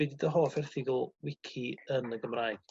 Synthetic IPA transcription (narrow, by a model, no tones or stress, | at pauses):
ɪdidəɦoːfɛrθɪɡʊlˠwɪkʰiənəɡəmraːjɡ̥